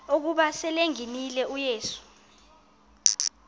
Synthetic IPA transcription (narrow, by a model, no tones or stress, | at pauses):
ok̬uɓasɛleŋinilɛujeːsu̥